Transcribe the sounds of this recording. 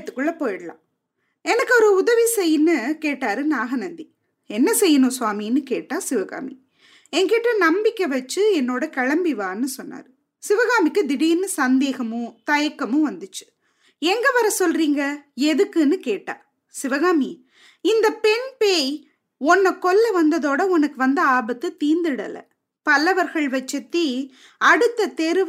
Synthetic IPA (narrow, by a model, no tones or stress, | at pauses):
t̪ːɯ̥kːɯɭːɐpoːjɐɽɐlã̰ː | ɛnɐkːɯɔɾɯʊðɐʋisɛjːɯnːɯkeːʈːaːɾɯnaːɣɐnɐnd̪i | ɛnːɐsɛjːɯnõːsʊaːminːɯkeːʈːaːsɪʋɐɣa̰ːmi | ɛŋkeːʈːrɐnɐmbɪkʲːɐʋɐt͡ʃːɯɛnːoːɽɐkɐɻɐmbiʋaːnːɯsɔnːa̰ːɾɯ | sɪʋɐɣaːmɪkːɯd̪ɪɽiːnɯsɐnd̪eːɣɐmɯ̃t̪ɐjɐkːɐmɯ̃ʋɐnd̪ɯt͡ʃːɯ̥ | ɛŋɡɐʋɐɾɐsɔlɾiːŋɡɐɛðɯkːɯnːɯkeːʈːa̰ː | sɪʋɐɣaːmi | ɪnd̪ɐpɛɳpeːj | ɔnːɐkːɔlːɐʋɐnd̪ɐðoːɽɐɔnɐkːɯʋɐnd̪ɐaːbɐt̪ːɯt̪iːnd̪ɯɽɐ̰lɐ̰ | pɐlɐʋɐɾɣɐɭʋɐt͡ʃːɐt̪ːi | ɐɽɯt̪ːɐt̪ɛɾɯ